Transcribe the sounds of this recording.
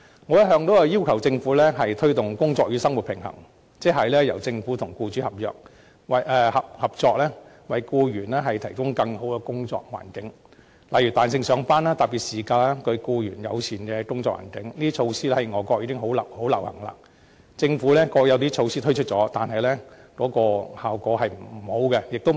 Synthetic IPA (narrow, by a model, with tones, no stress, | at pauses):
ŋɔː˨˧˥jɐ˥t̚ɦœː˧ŋt̪o˨˥wɐ˧ji˥wkʰɐ˨˩wt͡sɪ˧ŋfuː˨˥lɛː˥ɦɐ˨jt̪ʰɵ˥t̪ʊ˨ŋkʊ˥ŋt͡sɔː˧k̚jyː˨˧sɐ˥ŋwu˨t̚pʰɪ˨˩ŋɦɐ̰˨˩ŋ | t͡sɛː˥ɦɐ˨jlɛː˥jɐ˨˩wt͡sɪ˧ŋfu˨˥t̪ʰʊ˨˩ŋkuː˧t͡ʃy˨˥hɐ˨˩p̚jœ̰ː˨k̚ | wɐ˨jɛː˧hɐ˨p̚hɐ˨p̚t͡sɔː˧k̚lɛː˥ | wɐ˨˩jkuː˧jyː˨˩nɛː˥ɦɐ˨jt̪ʰɐ˨˩jkʊ˥ŋkɐ˧ŋho˨˥wkɛ˧kʊ˥ŋt͡ʃɔ̰ː˧k̚wa̰ː˨˩nkɪ˨˥ŋ | lɐ˨jy˨˩t̪aː˨ns̬ɪ˧ŋsœː˨˧˥ŋfaː˥naː˥t̪ɐ˨p̚piː˨t̚siː˨˩kaː˧laː˥kʰɵ˧kuː˧jyː˨˩njɐ̰˨˧wt͡sʰiː˨˩nkɛ˧kʊ˥ŋt͡sɔː˧k̚wa̰ː˨˩nkɪ˨˥ŋliː˥t͡ʃʰo˧wsiː˥lɛ˥hɐ˨jŋɔː˨˩kɔː˧k̚iː˧˥kɪ˥ŋɦo˨˥wlɐ˨ho˨˥wlɐ˨˩whɐ̰˨˩ŋla̰ː˧ | t͡sɪ˧ŋfuː˨˥lɛ˥kɔː˧jɐ˨˧wt̪iː˥t͡ʃʰo˧wsiː˥t̪ʰɵ˥ɥt͡ʃʰɵ˥t̚t͡ʃɔː˨˥t̪aː˨nɦɐ˨jlɛː˥kɔː˨˥kɔː˧haː˨wkɔː˧˥hɐ˨jm̩˨˩˨ho˨˥wkɛ˧jɪ˨k̚t̪o˥